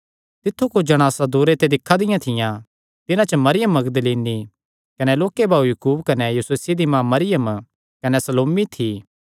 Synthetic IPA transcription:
t̪ɪt̪ʰːukod͡ʒɐɽ̃aːsad̪oːɾet̪ed̪ɪkʰːad̪ɪjãt̪ʰɪjã | t̪ɪnãt͡ʃəmɐɾɪjəmːɐɡd̪əliːni | kɐnɛloːkebaːujukuːbkɐnɛjuseːsid̪imãːmɐɾɪjəm | kɐnɛsɐloːmit̪ʰiː

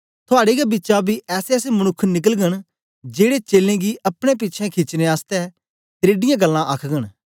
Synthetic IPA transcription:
t̪ʰʊaːɽeɡabɪːt͡ʃabiʔɛːseɛːsemənʊkʰːnɪk̬əlɡəɽ̃ | d͡ʒeːɽet͡ʃeːlẽɡiʔɐpɽ̃ẽp̬ɪt͡ʃʰɛ̃kʰɪt͡ʃnẽaːst̪ɛ | t̪ɾeːɖɪjãɡəlːãʔəkʰɡəɽ̃

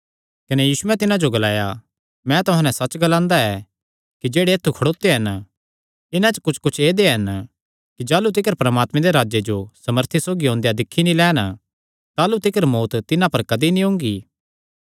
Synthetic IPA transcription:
kɐnɛjiːsʊɛt̪ɪnãd͡ʒoɡɐlaːja | mɛ̃t̪ʊɦãnɛ̃sɐt͡ʃɡɐlãːnd̪aɛ | kid͡ʒeːɽeːt̪ʰːukʰɐɽoːt̪eɦɐn | ɪnãt͡ʃkʊt͡ʃʰkʊt͡ʃʰeːd̪eɦɐn | kid͡ʒaːlut̪̬ɪkəɾpɾɐmaːt̪mẽd̪eɾaːd͡ʒed͡ʒosɐməɾt̪ʰisoːɡiɦõːnd̪ejad̪ɪkʰːinĩlɛːn | t̪aːlut̪ɪkəɾmoːt̪t̪ɪnãpɐɾkɐd̪inĩɦʊ̃ŋɡiː

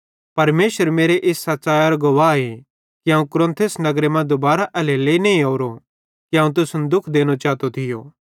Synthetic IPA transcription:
pɐɾmeːʃəɾmeːɾeʔeːsːɐtːʃaːjaɾoɡoʋaːe | kiãːũkʊɾə̃nt̪ʰesnɐɡɾemãd̪ʊbaːɾaʔɛleleːineĩoːɾo | kiãːũt̪̬ʊsʊnd̪ʊkʰd̪eːñot͡ʃaːt̪ot̪ʰɪjo̰ː

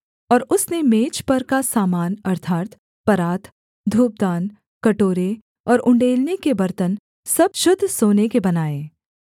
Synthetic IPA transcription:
ɔːɾʊsnemeːt͡ʃpɐɾkasaːmaːnɐɾt̪ʰaːt̪ | pɐɾaːt̪ | d̪ʱuːp̚d̪aːn | kɐʈoːɾe | ɔːɾʔʊ̃ɳɖeːlnekebɐɾt̪ən | sɐb̚ʃʊd̪ʱːsoːnekebɐnaːeː

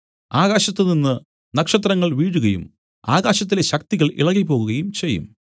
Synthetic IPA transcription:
aːɣaːɕɐt̪ːɨninːɨ | nɐkʂɐt̪rɐŋːɐɭʋiːɽuɣɐjṵm | aːɣaːɕɐt̪̬ːile̞ɕɐk̚t̪iɣɐɭḭɭɐŋːipo̞ːɣuɣɐjumt͡ɕe̞jːṵm

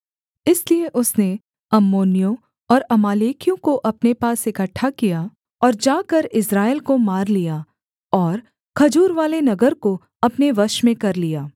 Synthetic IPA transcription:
ɪslieʔʊsne | ɐmːoːnijõ | ɔːɾɐmaːleːkijõkoʔɐpnepaːsɪkəʈʰːakija | ɔːɾd͡ʒaːkɐɾɪsɾaːɪlkomaːɾlijaː | ɔːɾ | kʰɐd͡ʒuːɾʋaːlenɐɡəɾko | ɐpneʋɐʃmẽkɐɾlijaː

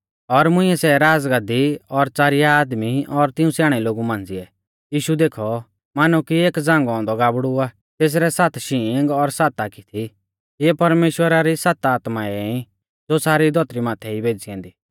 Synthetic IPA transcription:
ɔɾmʊ̃ɪ̃ɛsɛɾaːd͡zɡad̪iɔɾt͡saːɾɪjaːd̪miɔɾt̪ɪ̃ũsaːɽ̃ɛloːɡumãːnd͡ziɛ | jiːʃud̪eːkʰɔ | maːnukieːkd͡zãːŋɡɔɔ̃nd̪ɔɡaːbɽua | t̪eːs̬ɾɛsat̪ʰʃiːŋɡɔɾsaːt̪akit̪ʰi | ɛpɐɾmeːʃwəɾaɾisat̪aːt̪maɛɛ̃ĩ | d͡zoːsaːɾid̪ʱɔt̪ɾimaːt̪ʰɛibʱeːd͡ziɛ̃ːnd̪iː

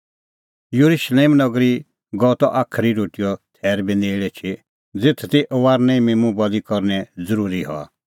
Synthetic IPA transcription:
juɾuʃleːmnɔɡɾi | ɡɔt̪ɔʔaːkʰɾiɾoːʈijɔt̪ʰɛːɾbineːɭɛt͡ʃʰi | d͡zet̪ʰt̪iʔɔʋaːɾnɛ̃ĩmemũbɔlikɔɾnɛd͡zəɾuːɾiɦɔ̰a̰

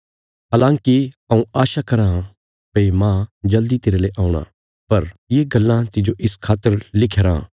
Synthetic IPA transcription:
ɦaːlãːŋkiɐũaːʃakɐɾã | pɐimãːd͡ʒɐld̪it̪eːɾeleʔaːʊɽ̃ã̰ | pɐɾjeɡɐlːãt̪ɪd͡ʒoʔɪskʰaːt̪ːəɾlɪkʰeɾã̰ː

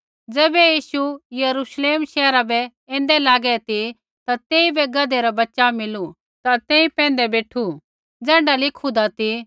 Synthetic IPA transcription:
d͡zɛːbɛjiːʃujɐɾuʃleːmʃɛːɾabɛ | ɛ̃ːnd̪ɛlaːɡɛt̪i | t̪at̪eːibɛɡɐd̪eɾabɐtːʃamɪlu | t̪at̪ẽːĩpɛ̃ːn̆d̪ɛbeːʈʰu | d͡zɛ̃ːɳɖalɪkʰud̪at̪i

